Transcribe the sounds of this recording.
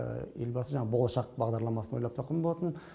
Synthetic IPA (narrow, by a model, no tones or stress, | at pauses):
e̞lbɑsəʒɑɴɑbo̞lˠəʃɑq̚bɑʁd̪ɑɾlˠɑmɑsəno̞jlˠɑp̚t̪ʰoqʰːəmbo̞lˠɑt̪ən